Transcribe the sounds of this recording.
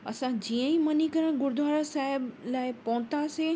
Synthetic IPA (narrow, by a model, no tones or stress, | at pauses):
ɐ̰sãd͡ʑiːə̃imɐnikɐɾəɽ̃ɡʊɾd̪ʱwaːɾasaːɦɪblaːɪpɔ̃ːt̪ase